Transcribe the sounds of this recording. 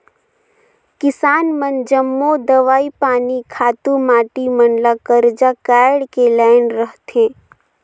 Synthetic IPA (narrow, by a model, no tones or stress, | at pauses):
kɪsaːnmənd͡ʒəmːod̪əʋaːipaːnikʰaːt̪umaːʈimənlakəɾd͡ʒakaːɽkelaːɪnɾəɦt̪ẽː